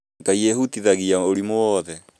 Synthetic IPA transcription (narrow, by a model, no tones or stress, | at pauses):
ŋɡaieɦutiðaɣiaoɾimowɔðɛ